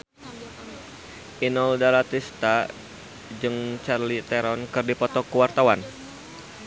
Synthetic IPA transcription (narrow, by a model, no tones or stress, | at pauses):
ʔinɔldalat̪ist̪a | d͡ʒɨŋt͡ʃarlit̪ɛɾɔnkɨrdipɔt̪ɔkuwart̪awan